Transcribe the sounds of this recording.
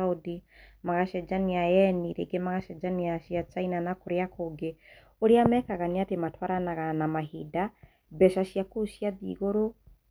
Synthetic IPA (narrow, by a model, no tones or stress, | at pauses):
odimaɣaʃɛd͡ʒaniajɛniɾḛɡemaɣaʃɛd͡ʒaniaʃiat͡ʃainanakoɾeakoɡe | oɾeamɛkaɣaniatematwaɾanaɣanamaɦida | bɛʃaʃjakuʃjaðḭːɣoɾo